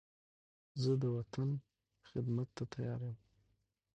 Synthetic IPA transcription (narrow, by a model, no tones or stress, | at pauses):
zɨd̪ɨwatʰan | χɪd̪matʰːatʰajaːɾjam